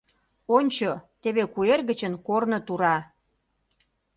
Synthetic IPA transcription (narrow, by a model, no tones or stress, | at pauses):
onʲt͡ɕot̪eβekuerɣə̆t͡ɕə̆nkornŏt̪uɾɑ